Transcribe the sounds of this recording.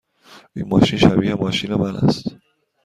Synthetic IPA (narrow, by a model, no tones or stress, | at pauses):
inmɒːʃinʃæbiːhemɒːʃinemælæ̰st̪